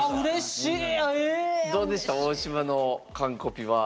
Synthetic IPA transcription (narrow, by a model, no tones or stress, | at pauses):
ɯɾe̞ɕied̪o̞ːd̪e̞ɕɨ̥t̪aoːɕimano̞kãŋko̞pʲiβa